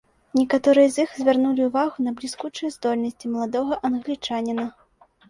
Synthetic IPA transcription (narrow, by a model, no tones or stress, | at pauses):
nʲɛkat̪ɔɾɨjɐzʲixzʲvʲarnulʲiwvaɣunɐblʲiskut͡ʂɨjɛzd̪ɔlʲnɐsʲt͡sʲimɐlˠad̪ɔɣɐʔɐnɣlʲit͡ʂanʲinɐ